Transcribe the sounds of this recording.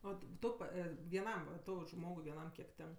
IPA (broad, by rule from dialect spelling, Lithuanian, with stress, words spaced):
ˈoː ˈtʊ pɐ ʋʲiɛˈnɐm ʋɐ ˈtɐʊ ˈʒmoːɡʊɪ ʋʲiɛˈnɐm kʲiɛk ˈtʲɛŋk